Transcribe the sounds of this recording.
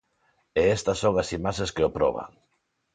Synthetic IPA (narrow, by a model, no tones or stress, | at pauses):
eɛst̪ɐsoŋɐsimaʃeskeopɾɔ̰β̞a̰ŋ